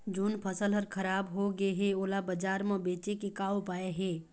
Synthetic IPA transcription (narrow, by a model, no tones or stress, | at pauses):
d͡ʒunpʰɐsəlɦəɾkʰɐɾaːbɦoɡəeɦɛ̃oːlabəd͡ʒaːɾmə̃beːt͡ʃekekaːopaːeɦeː